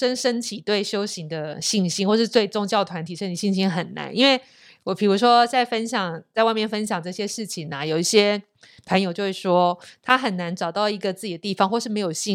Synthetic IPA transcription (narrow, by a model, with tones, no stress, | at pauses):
ʂə˥nʂə˥nt̪ʰi˨˩t̪we˥˩ɪɕjo˥ʊɕi˧˥ŋd̪ə˧ɕi˥˩ŋɕi˥nwɔ˥˧ʂɻ̩˥˧t̪we˥˩ɪʈ͡ʂʊ˥ŋt͡ɕjɑ˥˩ʊt̪ʰwa˧˥nt̪ʰi˨˩ʂə˥˩i˨˩ɕi˥˩nɕi˥nxə˨˩nna̰˧˦nʔḭ˥nwe˥˩ɪ | wɔ˨˩pʰi˨˩ɻu˧˥ʂwɔ˥t͡sa˥˩ɪfə˥nɕjɑ˨˩ŋt͡swa˥˧mjɛ˥˩nfə˥nɕ̬jɑ˨˩ŋʈ͡ʂɤ˥˩ɕjɛ˥ʂɻ̩˥˩t͡ɕʰi˨˩ŋa˩jo˨˩ʊi˥˩ɕjɛ˥ | pʰə˧˥njo˨˧ʊt͡ɕjo˥˧ʊʂɻ̩˥˩ʂwɔ˥t̪ʰa˥xə˨˩nːa˧˥nʈ͡ʂɑ˨˩ʊt̪ɑ˥˩ʊi˧˥ɡə˨t͡sɹ̩˥˩t͡ɕd̪ə˩t̪i˥˩fɑ˧˦ŋxwɔ˥˧ʂɻ̩˥˩me˧˥ɪjo˨˩ʊɕi˥˧